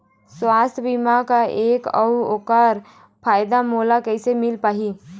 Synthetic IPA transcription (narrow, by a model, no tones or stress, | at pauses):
swaːst̪ʰbimakaʔeːkəʊoːkaːɾ | pʰaːjd̪amoːlakəɪsemɪlpaːɦi